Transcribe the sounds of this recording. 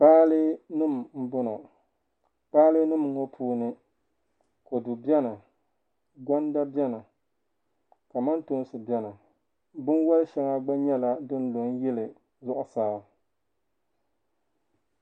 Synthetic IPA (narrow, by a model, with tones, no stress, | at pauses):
k͡paː˦lɨ˦nɨ˦˨m˨m̩˦bʊ˦nɔ˨ | k͡paː˦lɨ˦nɨ˦m˦ŋo˦pʰuː˦nɨ˦ | ko˨dʊ˨bjɛ˦na˨ | ɡʷa˦nda˦bjɛ˦na˨ | ka˨ma˦ntʊ˦n˦sɨ˨bjɛ˦na˨ | bʊ˦nwɔ˦lʃɛ˦ŋa˦ɡ͡ba˦ɲɛ˦la˦dɨ˦n˦lo˨ŋ˦jɛ˦lɨ˨ | zʊ˦ʔʊ˨saː˦